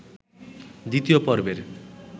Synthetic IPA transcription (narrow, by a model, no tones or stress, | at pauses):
d̪it̪ijopɔɾbeɾ